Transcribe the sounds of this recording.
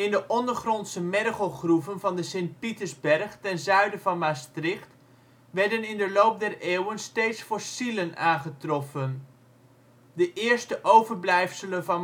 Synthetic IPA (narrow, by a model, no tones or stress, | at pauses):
ɪndəʔɔndəɹχrɔntsəmɛrχəlˠχruvənvɑndəsɪnt̚pitəɹzbɛɹχtɛnzœɥdəvɑnmastrɪχt | ʋɛɹdənɪndəlowp̚dɛreːwənsteːtsfoɹsilənaːnχətrɔfən | dəʔɪːɹstəʔowvəɹblɛjfsələnvɑn